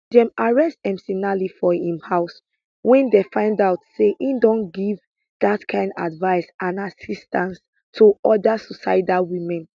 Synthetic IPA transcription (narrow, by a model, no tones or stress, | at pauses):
dɛ̃maɹɛstɛ̃msinalifɔĩmhaʊs | wɛ̃ndefãɪ̃ndaʊtseʔindɔ̃nɡiv | datkʰãɪ̃nda̰dvaɪsʔãnasistãns | tʰuɔdasɔsa̰ɪdawimɛ̃n